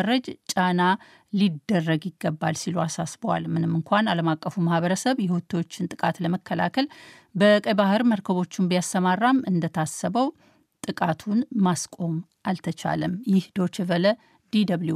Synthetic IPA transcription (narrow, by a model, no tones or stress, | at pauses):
ɾəd͡ʒt͡ʃʼana | lid̪ːərːəɡjɪɡːəbːa̰lsiluasasbəwa̰lmɨnɨmːɨŋkʷanaləmakʼːəfumahβəɾəsəβjɛhot̪ʰːo̞t͡ʃːɪnt̪ʼɨkʼat̪ləməkʰːəla̰kʰəlbəkʼəbahɨɾməɾkʰəβo̞t͡ʃːɪmbijast̪əmarːamɨnd̪ət̪ʰasəβəw | t̪ʼɨkʼat̪ʰunmaskʼo̞mʔalt̪ʰət͡ʃʰa̰ləmjɪhd̪o̞t͡ʃɛvələ | d̪id̪əβlu